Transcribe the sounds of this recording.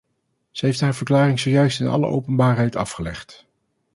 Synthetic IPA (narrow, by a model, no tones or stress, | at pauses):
z̥əɦejftɦaːɹvəɹklaːrɪŋsoːjœɥstɪnɑ̰lə̰ʔo̰wpənbaːɹɦɛjtɑfχəlɛ̰χt